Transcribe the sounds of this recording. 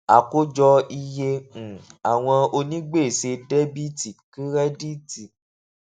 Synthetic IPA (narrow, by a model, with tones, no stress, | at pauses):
a˨ko˦d͡ʒɔ˧i˧jẽ˧˨ | a˨w̃ɔ̃˧o˧nĩ˦ɡ͡be˦˨se˧de˦bi˦ti˨ki˦ɾɛ˦di˦ti˨